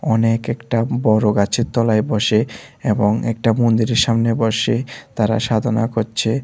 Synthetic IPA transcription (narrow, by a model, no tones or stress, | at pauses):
ɔnekɛkʈabɔɾoɡat͡ɕʰet̪ːɔlaebɔʃeeboŋɛk̚ʈamond̪iɾeɾʃamnebɔʃet̪aɾa̰ʃad̪ʱona̰koɾt͡ɕʰe